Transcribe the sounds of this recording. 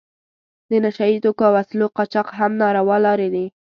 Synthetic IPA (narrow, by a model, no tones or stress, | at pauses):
d̪ənaʃait̪okoawasloqɑt͡ʃɑqɦamnɑɾawɑlɑɾed̪i